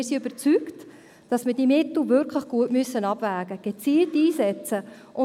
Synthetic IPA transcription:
ɪsiøb̥əɾt͡sykt | d̥ɑsmɪdimɪtl̩ˠvʏɾkʰlɪχɡ̥uətmøsːənɑb̥væːɡəɡ̥et͡siːltiːsɛt͡sə | ʔʊ

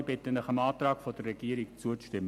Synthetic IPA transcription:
b̥ɪtənəχəmɑːtrɑːkfod̥ərːɛɡ̥iəɾɪkt͡suəʃtɪmː

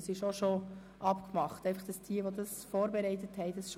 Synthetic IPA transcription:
sɪʃoʃo | ʔɑpkmɑχtɛɪfɑχd̥ɑsd̥iəʋodɑsfoːɾbɛɾɛɪtəthɛɪdɑsʃ

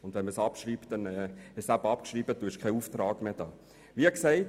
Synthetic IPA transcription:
ʊnd̥vɛnməsɑpʃriːptdɛnɛːɪʃsæbəɑpkʃriːbəd̥uːɪʃkʰɛɪuːftɾɑːɡ̥med̥ɑː | viəkseɪt

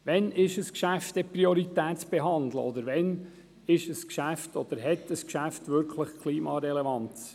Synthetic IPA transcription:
ʋɛnɪʃəskʃæft̪ɛpɾioɾit̪æːtt͡sb̥eɦɑnd̪lə̰ɔd̪əɾʋɛn | ɪʃəskʃæftɔd̪̥əɾɦɛt̪əskʃæft̪ʋʏɾkʰləχkʰliːmɑɾɛlɛvɑn

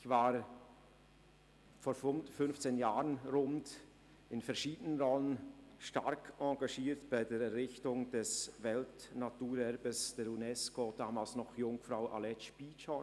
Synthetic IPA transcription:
çvaːɾ | foːɾfʊfʏnft͡seːnjaːɾənɾʊnd | ɪnfɛɐɾʃiːdənənʁɔlənʃta̰ɾkʰɑɡaʃiːɾtb̥aɪdeːɾɛɾːɪçtʊŋd̥ɛsvɛltnatuːɾɛɾbəsd̥eːɾunɛskod̥aːmaːlsnɔχjʊŋfɾaʊʔa̰lɛtʃpiːt͡ʃɔ

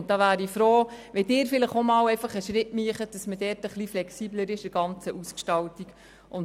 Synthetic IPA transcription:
d̥ɑːʋæːɾifɾoːʋɛdɪːɾfɪləχomɑːwɛɪfɑχəʃɾɪtmyəχət̚d̥ɑsmədɛːɾtəχliflɛksiːbləɾɪʃəɡ̥ɑnt͡səʔuskʃtɑltik | ʔʊn

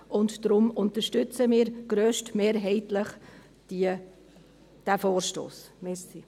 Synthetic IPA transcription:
ʔʊntd̥ɾʊmʊnt̪əʃtʏt͡səmɪːɾɡ̥ɾøːʃtmeːɾɦɛɪtləχ | d̥iə | d̥æfoːɾʃto̰ːsmɛsi

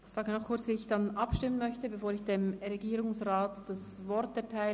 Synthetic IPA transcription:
z̥aːɡənɔχkʰʊɾt͡sviːɪçd̥anʔɑpʃtɪmənmœçtəbefoːɾɪçd̥emʁeɡiːɾʊŋsʁaːtd̥asvɔɾtɛɐtʰaɪ

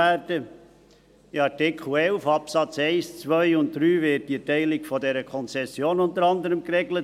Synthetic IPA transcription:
æːdə | ɪɑɾtɪkχl̩ɛlfɑpsɑt͡seɪst͡sʋœʏʊnt̚dɾyːvɪt̚d̥iətɛɪlɪkfɔdɛɾəkʰɔnt͡sɛsjoːnʊntəɾɑndəɾəmkɾɛɡlət

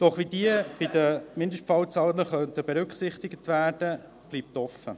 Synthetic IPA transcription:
d̥ɔχʋid̪iəb̥ɪd̪əmɪndəʃtfɑlt͡sɑːləχœnt̪əbeɾʉkχsɪχt̪ɪɡət̪ʋæːɾd̥ə | b̥liːp̚t̪ɔfːə̰

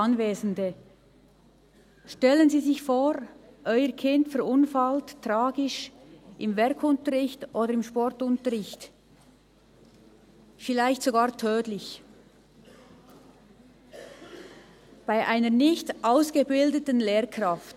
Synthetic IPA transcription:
ɑnveːzn̩də | ʃtɛlənziːzɪçfoːɾʔɔʏəkʰɪntfɛɐʁʊnfalttʁaːɡɪʃʔɪmvɛɐkʰʊntəʁɪçtʔoːdəɾɪmʃpɔʁtʊntəʁɪçt | fɪlaɪçtsoɡaːʁtʰøːtlɪç | b̥aɪʔaɪnənɪçtʔaʊsɡ̥əbɪldətənleːʁkʁaft

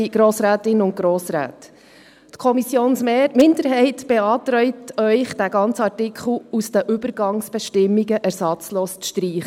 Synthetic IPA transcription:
ɡ̥ɾoːsɾæːtɪnʊnt̚ɡ̥ɾoːsɾæ̰ːt | tkʰɔmisjoːnsmɪndəɾɦɛɪtb̥eɑːtɾœʏtœʏχd̥æɡɑnt͡səɑɹtɪkχl̩ˠusd̥̪əʔʏbəɾɡɑŋsb̥ɛʃtɪmːiɡəʔæɾsɑt͡sloːst͡sʃtɾiːχə

